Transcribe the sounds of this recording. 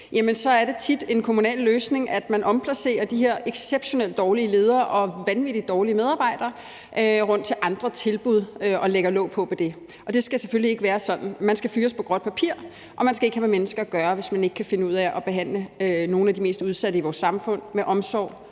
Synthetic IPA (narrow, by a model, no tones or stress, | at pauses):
jæmənsɒ̽æɐɾe̝t͡sʰid̥e̝nkʰo̝munɛ̰ːlːøːsne̝ŋʔæd̥mænʔɒ̽mpʰlæse̝̰ːɐd̥iɦhe̝ɐ̰ʔeɡ̥seb̥ɕo̝nel̰d̥ɒːliəle̝ːð̞ˠɐːʔɒ̽ʋænʋid̥i̥ɒːliəmeð̞ˠɑ̈ːb̥ɑ̈ɪ̰d̥ɐː | ʔøʁɔ̽n̰d̥̚t͡sʰe̝lʔɑ̈nd̥ʁɐt͡sʰe̝lb̥uð̞ˠøɒ̽leɡ̥ɐlɔ̰̽ʊ̰pʰɒ̽ʋed̥e̝ | ʔɒ̽d̥e̝sɡ̥æsefølie̝ɡ̥əʋæːɐsɒ̽d̥n̩mænsɡ̥æfyːɒspʰɒ̽ɡ̥ʁɒ̽d̥̚pʰæpʰiɐ̰ | ʔɒ̽mænsɡ̥æe̝ɡ̥ɦæmemenəsɡ̥ɐɡ̥ɶːɐʋe̝smæne̝ɡ̥kʰæfe̝nəuð̞̰ˠæʔɒ̽b̥e̝ɦæn̰ləøno̝ːn̩æd̥ime̝̰ːsd̥uð̞ˠsæd̥əiʋɒːsːɑ̈mfɔ̽n̰meʔɒ̽msɒ̰ʊ̰